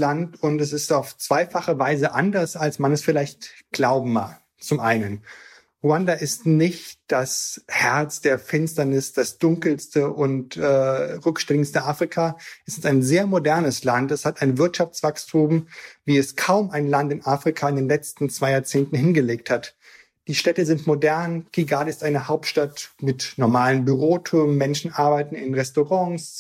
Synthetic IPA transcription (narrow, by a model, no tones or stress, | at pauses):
lantʊntɛs̬ɪstaʊft͡sv̥aɪfaχəvaɪzəʔandɐsalsmanɛsfɪlaɪçtɡ̥laʊbm̩ma̰ːk | t͡sʊmʔaɪnən | ʁuandaʔɪstnɪçtd̥ashɛɐt͡sd̥eːɐfɪnstɐnɪsd̥asd̥ʊŋkl̩stəʔʊntʔɛːʁʏkʃtɪŋstəʔaːfʁ̥ikʰaʔɛsɪstaɪnzeːɐmodɛɐnəslantɛshataɪnvɪɐtʃaft͡sv̥akstʰuːmviːɛskʰaʊmaɪnlantɪnʔaːfʁ̥ikʰaɪndeːnlɛt͡stn̩t͡sv̥aɪjaːɐt͡seːntn̩hɪnɡəleːk̚that | d̥iːʃtɛtəzɪntmodɛɐnɡ̥iɡaːdəɪstʔaɪnəhaʊp̚tʃtatmɪtnɔɐmaːlənbyʁoːtʰʊm̩ːɛnʃn̩ʔaɐbaɪtn̩ɪnʁɛstoʁɑ̃ŋs